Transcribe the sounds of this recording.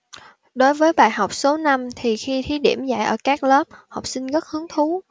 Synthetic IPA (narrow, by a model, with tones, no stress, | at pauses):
ɗo˨˦jvəː˨˦jɓa̰ː˧˨jɦa˨˩wk͡p̚so˨˦na˧mt̪ʰi˨˩xi˧t̪ʰi˨˦ɗḭ˧˩əmza̰ː˧˨jʔəː˧˩kaː˦˥k̚ləː˦˥p̚ha˨˩wk͡p̚sï˧ŋɣə˦˥t̚hɨ˨˦əŋt̪ʰu˨˦